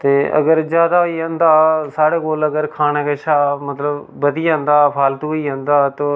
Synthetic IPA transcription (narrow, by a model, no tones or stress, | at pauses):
t̪eːʔə̰ɡəɾd͡ʒjaːd̪aiːɦə̃nd̪aːsaːɽeːkoːləɡəɾkʰaːñẽːkeʃaːmət̪ləbbəd̪iːə̃nd̪aːpʰaːlt̪uiːɦə̃nd̪aːt̪oː